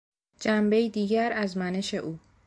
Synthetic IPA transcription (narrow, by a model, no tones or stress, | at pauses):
d͡ʒæmbe̞jid̪iːɟæɾæzmæne̞ʃe̞ʔuː